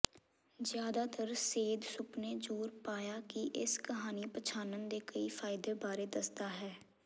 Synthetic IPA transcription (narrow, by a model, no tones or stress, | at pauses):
zjaːd̪aːt̪əɾseːd̪sʊpneːd͡ʒoːɾpaːjaːkiʔɪskəɦaːniːpət͡ʃʰaːnənd̪eːkəiːfʰaːɪd̪eːbaːɾeːd̪əst̪aːɦɛː